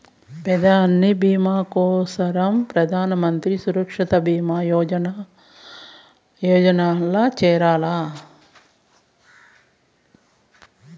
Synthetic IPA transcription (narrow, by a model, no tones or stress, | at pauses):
pɛd̪ɐɐnːibiːmaːkɔːsɐɾɐmpɾɐd̪ʱaːnɐmɐnt̪ɾisuɾɐkʂɐt̪ɐbiːmaːɔn | jɔːd͡ʒɐnaːlːaːt͡ʃɛːɾaːlaː